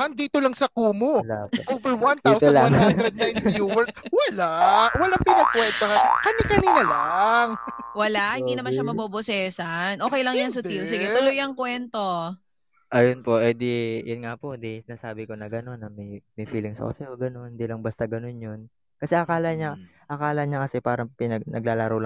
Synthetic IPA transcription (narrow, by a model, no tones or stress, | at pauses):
hand̪iːt̪olɐŋsɐkuːmolaovɛɹwant̪aːwt̪olaaŋhnɾɛd̪̚naj̃njuːwɛwɐlawɐlaŋpɪnɐkwɛnt̪oɦankɐmikɐniːnɐlaŋ | wɐlaʔhɪnd̪inɐmanʃamɐbobosɛsanʔo̞ːkɛjlɐŋjansʊt̪ils̬ɪɡɛʊlojɐŋkwɛnt̪o̞ | ʔɐjonpo̞ʔɛd̪ijʊnŋapoʔd̪isɪnaːsaːbɪko̞nɐɡɐno̞nːɐmɐjmɐjfiːlɪŋsɐ̰ko̰sɐjoɡɐno̞nhɪnd̪iːlɐŋbast̪ɐɡɐno̞njon | kɐsɛʔɐkaːlɐɲa | ʔɐkaːlɐɲakɐsɛpaːɾɐpɪnɐɡ̚nʔɐ̰ɡ̚laːlaːɾɐwlɐ